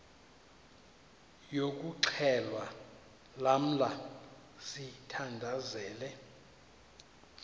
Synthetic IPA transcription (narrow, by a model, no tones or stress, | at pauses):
jok̬ʼuǀʰɛlwa | lam̩la | sitʰandʱazɛːlɛ